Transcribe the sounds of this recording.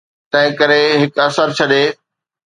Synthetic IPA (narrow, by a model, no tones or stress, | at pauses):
t̪ɐ̃ɦɪ̃kɐɾeɦɪkɐsəɾt͡ɕʰɐɗeː